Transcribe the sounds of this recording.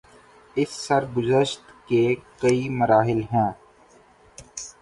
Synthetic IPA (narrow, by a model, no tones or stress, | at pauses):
ɪsːəɾɡʊzəʃt̪keːkəiməɾaːɦɪlɦɛ̃ː